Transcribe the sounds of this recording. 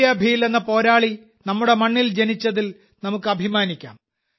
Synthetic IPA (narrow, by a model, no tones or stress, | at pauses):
jɐbʱijle̞nːɐpo̞ːɾaːɭi | nɐmːuɽe̞mɐɳːild͡ʑe̞nit͡ɕːɐðil | nɐmukːɨɐbʱimaːnikʲːa̰ːm